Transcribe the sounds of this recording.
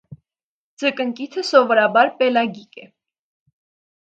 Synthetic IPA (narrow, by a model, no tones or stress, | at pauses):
d͡zəkəŋkit̪ʰəsɔvɔɾɑbɑɾpɛlɑɡikɛ